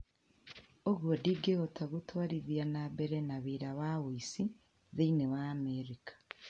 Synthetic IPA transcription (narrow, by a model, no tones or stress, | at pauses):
oɡwodiɡeɣotaɣutwaːɾiðjanabeɾenaβiɾaβawuisi | ðiinewaːmeɾikḁ